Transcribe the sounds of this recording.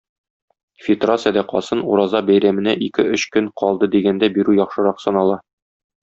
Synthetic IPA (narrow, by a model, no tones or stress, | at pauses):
fʲɪt̪rat̪sɨjd̪æqɒ̰sɤnṵɾɑzɑbæjɾæmɘ̆næʔikɘɵɕkɵŋqʰɒlˠd̪ɤd̪iɡænd̪æbiɾʉjɒχʃɤ̆ɾɑqsɒnɑlˠɑ